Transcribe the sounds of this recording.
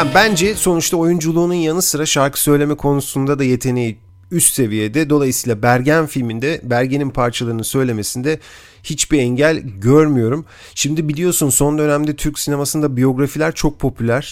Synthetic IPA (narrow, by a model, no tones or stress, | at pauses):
habænd͡ʒɛso̞nut͡ʃt̪ao̞jund͡ʒulˠuːnunjanɯsɯɾaʃaɾkʰɯ̥sø̞jlʲe̞mɛkʰo̞nusund̪ad̪aje̞t̪ʰe̞neji | yst̪se̞vije̞d̪ɛd̪o̞lˠajɯsiːlˠabæɾɟænfilʲmind̪ɛbæɾɟe̞ninpʰaɾt͡ʃʰalˠaɾɯnɯnsø̞jlʲe̞me̞sind̪ɛ | hit͡ʃbiɛɲɟælʲɟøɾmyjo̞ɾum | ʃimd̪ibilʲijo̞sunso̞nd̪ø̞næmd̪ɛt̪ʰyɾcsine̞masɯnd̪abijo̞ɡɾafilʲæɾt͡ʃʰo̞k̚pʰo̞pʰylʲæɾ̥